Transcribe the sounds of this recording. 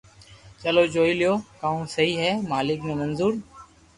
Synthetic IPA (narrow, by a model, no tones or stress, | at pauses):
t͡ʃəloːd͡ʒoːiːlɪjoːkaːũːsəɦiːɦɛːmaːlɪknẽːmənzuːɾ